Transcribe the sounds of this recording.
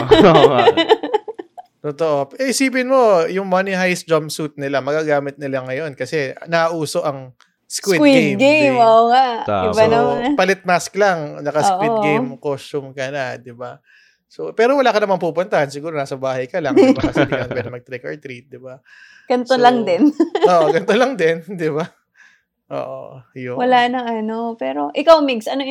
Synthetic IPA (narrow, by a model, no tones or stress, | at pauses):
t̪ot̪oʔo̞pʔɛʔɪsiːp̬ɪnmo̞jʊŋmɐnɪɦajsd͡ʒompsut̪̚nɪlamɐɡaːɡaːmɪt̪̚nɪlaŋːɐjo̞nkɐsɛnɐʔuːso̞ʔɐŋ | skwitwɡejmɡemoʔoŋabaɐpɐlɪt̪̚masklaŋnɐkɐkʔiɡejmkosʊmkɐnad̪ɪba | sopɛːɾowɐlaːkɐnɐmɐŋpuːpʊnt̪ɐhɐnsɪɡuːɾonaːsɐbaːhɐjkɐlaŋɐɐsɛd̪jonwɛd̪ɪŋmɐɡ̚t̪ɾikɐɹt̪ɾit̪̚d̪ɪba | ɡ̥ɐnt̪olɐŋd̪ɛnoːʔoɡɐnt̪olɐŋd̪ɛnd̪ɪba | ʔo̰ːʔo̰jowɐlaːnɐŋɐno̞pɛːɾo̞ʔɪkawmiɡsɐno